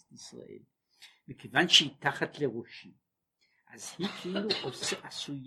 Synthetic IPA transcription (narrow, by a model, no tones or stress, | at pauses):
tisra̰ʔḛl | mɨkʰivanʃiːtʰaχatʰleʁʷʊʃi | azhit͡sʷʼiluʔosɨʔasuj